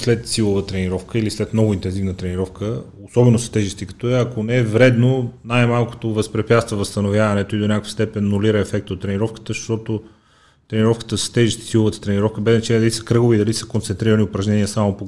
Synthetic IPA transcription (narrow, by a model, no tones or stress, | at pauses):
slɛt̪silˠovət̪ɾɛniɾɔfkəilislɛt̪mnɔɡʊint̪ɛnzivnət̪ɾɛniɾɔfkə | osɔbɛnosɐ̥t̪ɛʒist̪ikɐ̥t̪ɔɛɐkonɛɛvɾɛd̪nonajmalˠko̥t̪ovəspɾɛpjat̪st̪vɐvɐst̪ɐnovjavɐnɛt̪oid̪onʲakəfəst̪ɛpɛnːʊliɾəɛfɛk̚t̪ot̪ːɾɛniɾɔfkə̥t̪əʃt̪ɔt̪o | t̪ɾɛniɾɔfkə̥t̪əsə̥t̪ɛʒist̪i̥silˠovət̪ə̥t̪ɾɛniɾɔfkəbɛznɐt͡ʃɛlʲid̪lisəkɾɤɡovid̪ɐlisə̥kont̪sɛnt̪ɾiɾəniʊpɾɐʒnɛniəsamopo